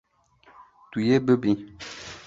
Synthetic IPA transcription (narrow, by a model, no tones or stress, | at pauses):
t̪ujebebĩ